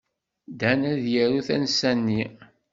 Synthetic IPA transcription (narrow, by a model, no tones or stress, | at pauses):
d̪ænæðjæɾuθæ̰nsænːi